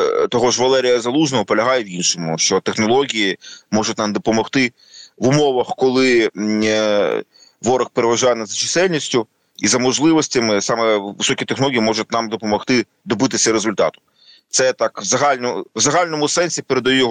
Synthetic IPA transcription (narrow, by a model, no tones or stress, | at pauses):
t̪ɔɦɔʒʋɐlˠɛɾʲijɐzɐlˠuʒnɔɦɔpɔlʲɐɦɑjɛʋinʃɔmʊ̰ʃt͡ʃɔt̪exnɔlˠɔɦʲijimɔʒʊtʲnɑmd̪ɔpɔmɔxt̪ɪ | ʋʊmɔʋɐxkɔlˠɪ | ʋɔɾɐxpeɾeʋɐʒajɛnɐzɐt͡ʃɪsɛlʲnʲisʲtʲʊ | izɐmɔʒlˠɪʋɔsʲtʲɐmɪsɑmɛʋɪsɔkʲit̪exnlˠɔɣʲijimɔʒʊt̪̚ʲnɑmd̪ɔpɔmɔxt̪ɪ | d̪ɔbɪt̪̬ɪsʲɐɾezʊlʲt̪ɑ̰t̪ʊ̥ | t̪sɛt̪ɑkwzɐɦalʲnɔʋzɐɦalʲnɔmʊsɛnʲsʲipeɾed̪ɐjujɔɦ